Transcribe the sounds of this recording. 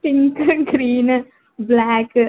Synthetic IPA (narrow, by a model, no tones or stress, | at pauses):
pɪ̃ŋkɡɾiːn | blɛːk